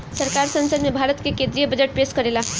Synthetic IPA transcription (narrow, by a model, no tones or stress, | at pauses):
səɾkaɾsə̃nsəd̪mebʱaːɾət̪kekẽnd̪ɾijəbəd͡ʒeʈ̚peskəɾela